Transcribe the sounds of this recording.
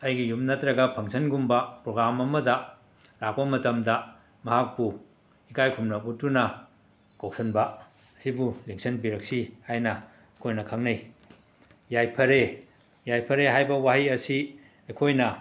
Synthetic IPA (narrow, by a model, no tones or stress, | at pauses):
ɐjɡijumnɐtɾɐɡɐpʰɐŋsʰɐnɡumbɐpɾoɡɾamɐmɐdɐ | lak̚pɐmɐtɐmdɐ | mɐɦak̚pu | ikajkʰumnɐputːunɐ | kow̚sʰɐnbɐ | ɐsibuliŋsɐnbiɾɐk̚sihajnɐ | ɐkʰojnɐkʰɐŋnɐj | jajpʰɐɾe | jajpʰɐɾeɦajbɐwaɦiɐsi | ɐjkʰojnɐ